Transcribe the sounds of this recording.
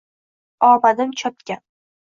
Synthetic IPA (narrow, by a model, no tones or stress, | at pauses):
ɒbad̪ɪmt͡ʃʰɒp̚kʲa